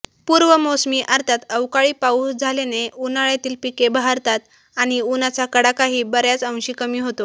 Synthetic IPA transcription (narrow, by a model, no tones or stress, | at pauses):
puːɾʋəmosmiːʔəɾt̪ʰat̪əwkaɭiːpausd͡zʱaleneunaɭjat̪iːlpikebaɦaɾt̪at̪ | aɽ̃iunat͡sakəɽakaɦiːbəɾjat͡sə̃w̃ɕiːkəmiːɦot̪o